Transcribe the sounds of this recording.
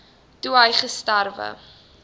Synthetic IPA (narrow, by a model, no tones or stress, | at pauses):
duɦəjχəstærvə̰